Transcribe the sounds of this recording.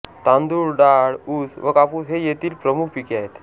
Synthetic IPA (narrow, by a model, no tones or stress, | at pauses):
t̪ãnd̪uːɾɖaɽuːt͡sʋəkapuːt͡sɦejet̪iːlpɾəmukʰpikiaɦet̪